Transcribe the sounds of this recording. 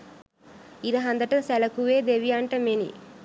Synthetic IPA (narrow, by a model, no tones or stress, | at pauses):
id̪ɐɦɐnd̪ɐʈɐsɛlɐkuʋeːd̪eʋijaːɳʈɐmenḭ